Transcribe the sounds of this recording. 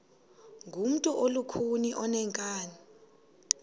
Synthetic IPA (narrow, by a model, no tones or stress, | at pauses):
ŋɡʱum̩tʼɔʔolukʰuniʔɔnɛŋkʼaːni